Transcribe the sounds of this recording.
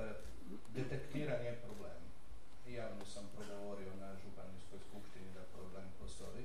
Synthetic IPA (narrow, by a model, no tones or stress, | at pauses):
d̪et̪ekt̪iːɾanijepɾobleːm | jaːʋnosampɾoɡo̞ʋo̞ɾio̞naʒupanisko̞jskupʃt̪inid̪apɾobleːmpost̪o̞ji